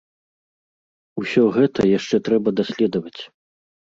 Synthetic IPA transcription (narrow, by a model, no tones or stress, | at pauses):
usʲɔɣɛt̪ɐjaʂt͡ʂɛt̪ɾɛbɐd̪asʲlʲɛd̪ɐvɐt͡sʲ